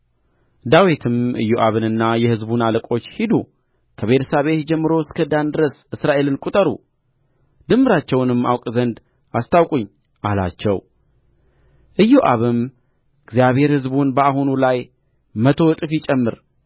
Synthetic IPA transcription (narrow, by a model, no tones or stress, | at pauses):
d̪awit̪ʰɨmʔɨ̰jːoʔaβɨnɨnːajɛhɨzbunaləkʼo̞t͡ʃːhid̪u | kʰəβe̞t̪ʰəsaβe̞t̪d͡ʒɛmːɨɾo̞skʰəd̪and̪ɨɾəsɨsɾaʔe̞lɨnkʼut̪ʼəɾṵ | d̪̥ɨmbɨɾat͡ʃːɛwnɨmːa̰wkʼzənd̪ | ʔast̪ʰawkʼuɲː | ʔala̰t͡ʃːɛ̰w | ʔɨjːoʔaβɨm | ɨɡzijaβhe̞ɾhɨzbunbəaɦunulaj | mət̪ʰo̞t̪ʼɨfit͡ʃʼɛmːɨɾ